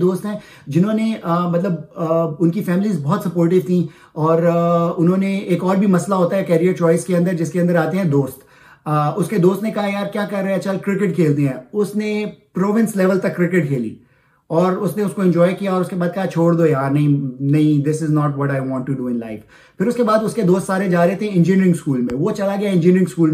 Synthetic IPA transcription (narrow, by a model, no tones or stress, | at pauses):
d̪oːst̪ɦɛ̃ː | d͡ʒɪnɦõːneəmɐt̪ləbʊnkifɛːmɪlizbɔɦt̪sɐpoːɾʈ̬ɪʋt̪ʰĩ | ɔːɾʊnɦõːneeːkɔːɾbʱimɐslaɦoːt̪aɦɛkɛːɾiəɾt͡ʃɔːɪskeɐ̃nd̪əɾd͡ʒɪskeɐ̃nd̪əɾaːt̪eɦɛ̃d̪oːst̪ː | ʊsked̪oːst̪nekɐɦajaːɾkjaːkɐɾːeɦɛt͡ʃɐlkɾɪkɪʈkʰeːlt̪̬eɦɛ̃ːʊsnepɾoːʋɪ̃nslɛːʋəlt̪ɐkːɾɪkɪʈ̚kʰeːlḭː | ɔːɾʊsnẽʊskoɪ̃nd͡ʒɔːɪkijaɔːɾʊskebaːd̪̚kɐɦat͡ʃʰoːɽd̪ojaːɾnɐɦĩnɐɦĩd̪ɪsɪznɔːʈʋɔʈaɪʋɔ̃ːɳʈːuɖuːɪ̃nlaɪf | pʰɪɾʊskebaːd̪ʊsked̪oːst̪saːɾẽd͡ʒaːɾɛɦt̪eɦɛ̃ɪ̃nd͡ʒinɾɪ̃ŋɡskuːlmẽʋot͡ʃɐlaɡɐjaɪ̃nd͡ʒinɾɪ̃ŋɡskuːlm